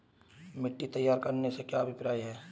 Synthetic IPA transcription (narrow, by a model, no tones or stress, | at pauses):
mɪʈːit̪ɐjːaːɾkɐɾnesekjaɐbʱɪpɾaːiɦɛː